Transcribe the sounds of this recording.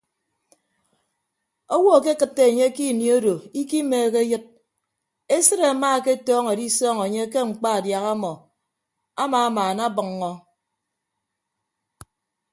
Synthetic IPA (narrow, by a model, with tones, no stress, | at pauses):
o˦wɔ˦˨ke˦kɨ˨tːe˨e˨ɲe˦ki˦˨ni˨o˦do˨i˦ki˦meː˨ke˦jɨ˦t̚ | e˦sɨ˦ɾe˨a˨maː˦˨ke˦˨tɔː˦ŋe˨di˦sɔː˦ŋe˨ɲe˦k̬e˦ŋ͡m̩˨k͡pa˦a˨dja˨ɣa˦mɔ˨ | a˦maː˨a˦maː˨na˦bɨ˨ŋːɔ˦